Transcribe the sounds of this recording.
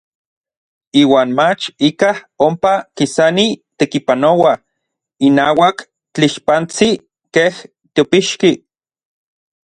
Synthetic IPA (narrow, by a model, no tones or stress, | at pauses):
iːwaːnmat͡ʃikah | ompakisanit̪ekipanowa | inaːwak | t͡ɬiʃpant͡si | keh | t̪iopiʃki